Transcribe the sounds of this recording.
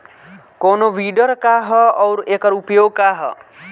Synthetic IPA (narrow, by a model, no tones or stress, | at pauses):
konoʋiːɖəɾkaːɦɔɔwɾekəɾupjoːɡ̚kaɦɔ̰